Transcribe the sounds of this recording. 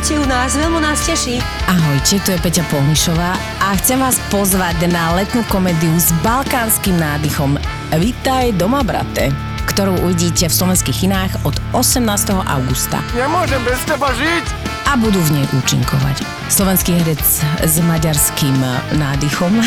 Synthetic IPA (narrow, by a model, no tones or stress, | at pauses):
cɛunaːzʋɛlmɔnascɛʃiːʔaɦɔjcɛt̪ɔjɛpɛcapɔɦniʃɔʋaː | ʔaxt͡sɛmʋaːspɔzʋaɟnalɛt̪nuːkɔmɛːd̪iuzbalkaːnskimnaːd̪ixɔm | ʋit̪ajd̪ɔmabɾa̰t̪ɛ̰ | kt̪ɔɾuːʔuʋiɟiːcɛfslɔʋɛnskiːɣinaːɣɔd̪ɔsɛmnaːst̪ɛɦɔʔa̰ʊɡust̪a̰ɲɛmʊɔʒɛmbɛst̪ɛbaʒicabud̪uːvɲɛjʔuːt͡ʃḭŋkɔ̰ʋa̰c | slɔʋɛnskiːɦɛɾɛt͡szmaɟaɾskimnaːd̪ixɔm